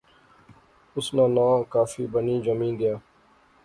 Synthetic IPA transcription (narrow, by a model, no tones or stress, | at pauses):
ʊsnãːnãːkaːfḭːbəniːd͡ʒəmĩːnd̪ɪjaː